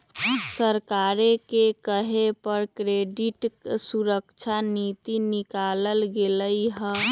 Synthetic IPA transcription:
səɾkaɾekekəɦepəɾkɾeɖiʈsuɾəkt͡ʃʰanit̪inikaləlɡeləjɦə̃

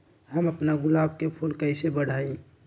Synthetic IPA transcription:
həməpnaɡʊlaːb̚kepʰulkəɪsebəɽ̤aĩ

